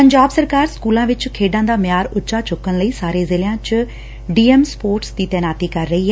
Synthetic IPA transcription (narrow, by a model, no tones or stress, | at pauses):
pəɲd͡ʒaːbsəɾkaːɾskuːlãːʋɪt͡ʃkʰeːɖãːd̪aːmɪjaːɾʊʃaːt͡ʃʊkːənləiːsaːɾeːzɪlɪjãːt͡ʃ | ɖiːɛmspoːɾʈsd̪iːt̪ɛːnaːt̪iːkəɾːəiːɦɛ